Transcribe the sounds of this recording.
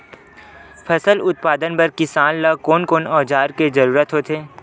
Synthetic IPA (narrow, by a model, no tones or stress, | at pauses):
pʰɐsəlʊt̪̚paːd̪ənpɐɾkɪsaːnlakoːnkoːnɔːd͡ʒaːɾkezɐɾuːɾət̪ɦoːt̪ʰeː